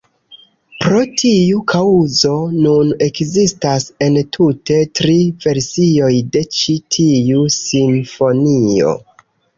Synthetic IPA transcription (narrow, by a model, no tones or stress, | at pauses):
pɾo̞tʰiukʰauzo̞nune̞kzistase̞ntʰute̞tɾive̞ɾsio̞jde̞t͡ʃitʰiusinfo̞nio̞̰